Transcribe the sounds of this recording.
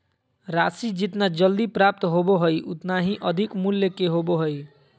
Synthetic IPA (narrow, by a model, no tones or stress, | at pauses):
ɾasid͡ʒit̪nad͡ʒʌld̪ipɾap̚t̪ɦoboɦojʔut̪naɦĩʔʌd̪ʱikmulːekeɦoboɦoj